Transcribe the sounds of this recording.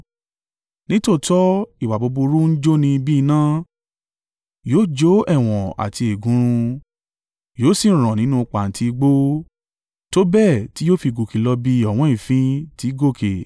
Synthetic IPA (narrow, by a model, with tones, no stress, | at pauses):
nĩ˦to˦˨tɔ˦i˨wa˨bo˧bu˧ɾu˦n̩˦d͡ʒo˦nĩ˧bi˦i˧nã˦ | joː˦˨d͡ʒo˨˦ɛ˦˨w̃ɔ̃˨a̰˨ti˧e˨ɡũ˨˦ɾ̃ũ˧ | joː˦sĩ˦˨ɾ̃ã˨nĩ˨˦nũ˦˧k͡pa˨n̩˨ti˧ɡ͡bo˦ | to˦bɛ˦˨ti˦joː˦fi˧ɡo˨ki˨˦lɔ˧bi˧ɔ˨w̃ɔ̃˨˦i˦˨fĩ˦ti˨˦ɡo˦˨kʰe˨